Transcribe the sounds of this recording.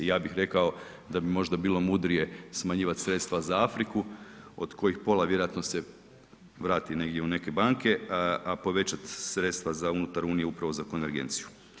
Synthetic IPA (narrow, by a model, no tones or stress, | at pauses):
jaːbixɾe̞kao̞ | d̪abimo̞ʒd̪abiːlˠo̞mud̪ɾije̞smaɲiːʋat̪sɾe̞t̪st̪ʋazaafɾiku | o̞d̪ko̞jixpo̞lˠaʋjeɾoat̪nose̞ | ʋɾaːt̪ine̞ɡdʲjeune̞ke̞baŋke̞apo̞ʋe̞t͡ɕat̪sɾe̞t̪st̪ʋazaunut̪aɾuːnijeupɾaʋo̞zako̞nʋe̞ɾɡe̞̰nt̪siju